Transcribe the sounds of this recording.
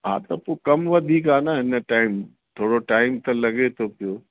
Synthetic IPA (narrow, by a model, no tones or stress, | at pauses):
ɦa̰ːt̪ɐpokɐmʋɐd̪ʱiːkaːnaɦɪnəʈaːɪm | t̪ʰoːɽoʈaːɪmt̪ɐlɐɡet̪ʰopijoː